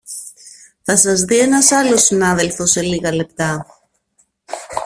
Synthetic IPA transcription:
θɐsɐzðie̞nɐsɐlo̞sinɐðe̞lfo̞se̞liɣɐle̞p̚t̪ɐ

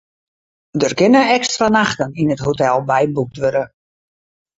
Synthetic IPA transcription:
dərkɪnəɛkstranaxtəninəthotɛlˠbɛjbuk̚tʋøɾə

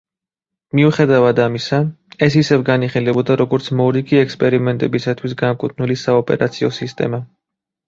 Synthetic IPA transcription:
miuχɛd̪avad̪amisa | ɛsisɛvɡaniχilɛbɔd̪aɾɔɡɔɾt̪sʰmɔɾiɡiɛkspʼɛɾimɛnt̪ʼɛbisat̪ʰwis̬ɡamkʼut̪ʰʼnulisaɔpʼɛ̰ɾa̰t̪sʰiɔsist̪ʼɛ̰ma

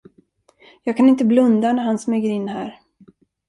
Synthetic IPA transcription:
jɑːɡkʰanɪnt̪əblɵnd̪anæɾhansmøːɡəɾɪnːɦæ̰ːɾ

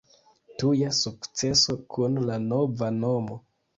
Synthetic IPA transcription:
tujasukt͡se̞so̞kʰunlano̞vano̞mo

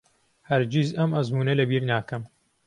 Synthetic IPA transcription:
hɐɾd͡ʒizɐmɐzmuːnɐlɐbiːɾnaːkɐm

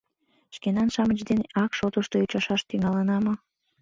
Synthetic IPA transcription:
ʃkenɑnʃɑmət͡ɕd̪eneʔɑkʃot̪əʃt̪out͡ɕɑʃɑʃt̪yŋɑlənɑmo

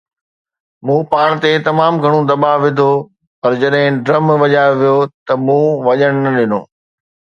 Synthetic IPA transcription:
mũːpaːɽ̃t̪et̪ɐmaːmɡʱɐɽ̃ũd̪ɐɓaʋɪd̪ʱo | pɐɾd͡ʑɐɗɦɪ̃ɖɾɐmʋɐʄaːʋijot̪ɐmũːʋɐʄəɽ̃nɐɗɪno̰ː

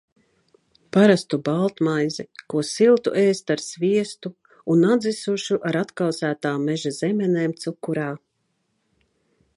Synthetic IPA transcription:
paɾast̪ubalˠt̪majzikuɔsilˠt̪ṵʔeːst̪aɾsviɛst̪u | unad̪zisuʃuʔaɾat̪kawsæːt̪aːmːɛʒazɛmɛneːmt̪sukːuɾaː

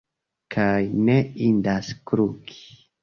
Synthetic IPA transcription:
kʰajne̞indaskɾuki̥

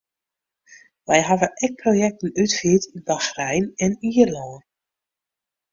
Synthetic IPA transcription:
ʋɛjɦavəɛk̚projɛk̚tənytfiətʰinbaxrɛjnɛniːərlɔːn

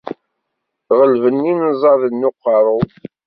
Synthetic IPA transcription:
ʁəlvənːinzˤɑðənːʊqːɑɾˤo

